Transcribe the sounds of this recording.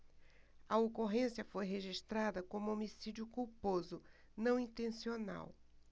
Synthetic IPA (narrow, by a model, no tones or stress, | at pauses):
ɐokoɦẽsjɐfojɦeʒiʃt̪ɾad̪ɐkõmʊomisid͡ʒjʊkuɾpozʊ | nɐ̃w̃ĩnt̪ẽsiona̰w